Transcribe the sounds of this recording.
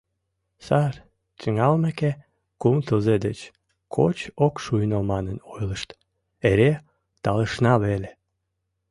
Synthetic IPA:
sɑr | t̪əŋɑlmæke | kumt̪əlzed̪et͡ɕ | kʰo̰t͡ɕokʃujnəlmɑnənojləʃt̪ | eɾe | t̪ɑləʃnɑβele

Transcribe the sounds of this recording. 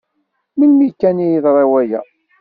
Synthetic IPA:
milmikːænijiðɾˤɑwæjæ̰

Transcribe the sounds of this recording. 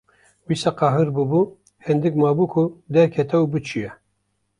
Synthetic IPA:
wisaqɑːɦɨɾbɨbu | hɛnd̪ɨk̚mɑːbukʰʊd̪ɛɾkʰɛt̪ɛubɨt͡ʃʰijɛ

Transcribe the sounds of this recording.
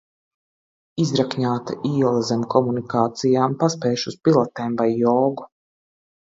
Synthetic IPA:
izɾakɲaːt̪aʔiːɛlˠazɛmkɔmunikaːt̪sijaːmpaspɛːʃuspilˠat̪ɛːmvajːɔːɡu

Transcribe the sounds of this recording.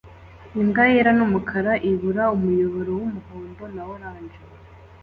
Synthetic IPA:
iŋɡajeɾanumukʰaɾaʔiβuɾaumujo̞βoɾowumuhoːnbo̞nawoɾaːɲd͡ʒe

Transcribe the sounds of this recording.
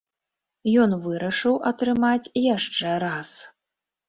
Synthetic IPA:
jɔnvɨɾɐʂɨwʔɐt̪ɾɨmat͡sʲjaʂt͡ʂɛɾas

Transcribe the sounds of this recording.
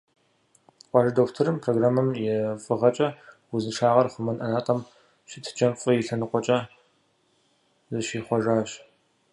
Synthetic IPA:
qʷʼɑʒɐdoːktʰɨɾɨmpʰroːɡraːmɐmjɛfʼɨʁɐt͡ʃʼɐ | wʊzɨnʂaːʁɐrχʷʊmɐnʔɐnaːtʼɐm | ɕɪtʰɨ̥t͡ʃʼɐmfʼɨjɪɬɐnɨqʷʼɔt͡ʃʼɐ | zɐʃiːχʷɔʐaːɕ

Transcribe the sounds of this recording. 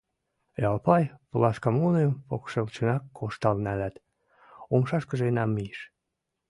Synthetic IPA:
jɑlpɑjpəlɑʃkɑmunempokʃelt͡ɕønɑkːʰoʃt̪ɑlnælæt̪ | omʃɑʃkə̆ʒenæmːiʃ

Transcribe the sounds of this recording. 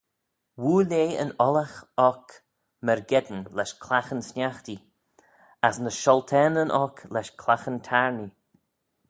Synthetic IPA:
wuːleːə̰nɔlaxɔk | məɹɡɛd̪nlɛʃkʰlaxənsnʲaxt̪i | asnəʃɔlt̪ʰɛnənʔɔkʰlɛʃkʰlaxənt̪ʰaɹni

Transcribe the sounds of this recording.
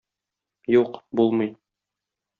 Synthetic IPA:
juqbulˠmɤj

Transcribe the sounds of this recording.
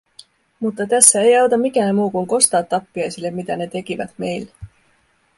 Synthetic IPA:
mut̪ːɑt̪æsːæe̞jɑwt̪ɑmikæːnmuːkuŋko̞st̪ɑːt̪ːɑpːiɑjsile̞mːit̪æne̞t̪e̞kivæ̰d̪me̞jl

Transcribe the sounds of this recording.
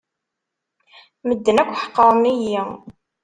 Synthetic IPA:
məd̪ːənækʷːħə̥qːəɾˤmiji

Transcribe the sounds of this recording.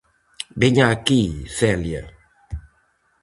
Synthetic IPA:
beɲãkisɛlia̰

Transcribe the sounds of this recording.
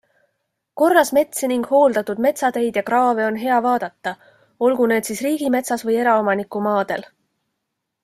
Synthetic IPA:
ko̞rːɑsme̞t̪seniŋɡ̥ho̞ːld̪̥ɑt̪ːˑud̪̥me̞t̪sɑd̪e̞jd̪̥jɑkrɑːve̞o̞nɦe̞ɑvɑːd̪̥ɑt̪ːɑ | o̞lɡ̥une̞ːd̪̥sisriːɡ̥ime̞t̪sɑsvɤje̞ɾɑo̞mɑnikːˑumɑːd̪̥e̞̰l

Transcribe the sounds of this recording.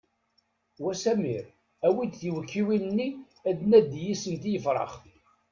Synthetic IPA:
wæsæmiɾ | æwid̪θiwəkʰːiwinənːi | æd̪næd̪jisənt̪ijəfɾˤɑ̰χ

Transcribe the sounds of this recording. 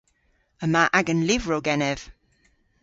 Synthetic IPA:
əmaːʔaɡənlivɹoɡɛnɛv̥

